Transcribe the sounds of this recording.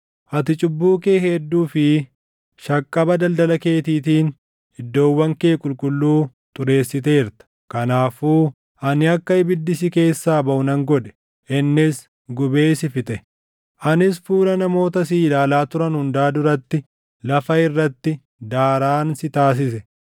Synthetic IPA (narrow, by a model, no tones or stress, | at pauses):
ʔɐt̪ɪt͡ʃʼʊbːuːkeːhed̪ːuːfɪ | ʃɐkʼːɐbɐd̪ɐld̪ɐlɐke̞ːt̪iːt̪iːn | ɪd̪ːo̞ːwːɐŋke̞ːkʼʊlkʼʊlːuː | t̪ʊɾe̞ːsːɪt̪̬e̞ːɪɾt̪ɐ̥ | kɐnaːfuː | ʔɐnɪɐkːɐɪbɪd̪ːɪsɪke̞ːsːaːbɐʔʊnɐŋɡɔᶑɛ̥ | ʔɪnːɪs | ɡʊbe̞ːsɪfɪt̪ʼɛ | ʔɐnɪs̬fuːlɐnɐmo̞ːt̪ɐs̬iːlaːlaːt̪ʊɾɐnhʊnd̪aːd̪ʊɾɐt̪ːɪ | lɐfɐɪrːɐt̪ːɪ | d̪aːɾaːnsɪt̪aːs̬ɪsɛ